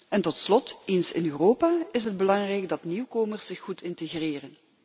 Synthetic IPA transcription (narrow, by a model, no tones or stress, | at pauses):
ɛntɔtslɔtensɪ̰nøːroːpaːɪsɦəd̚bəlɑŋrɛjɡdɑtniwkoːmərsɪxːutʰɪnteɣreːrən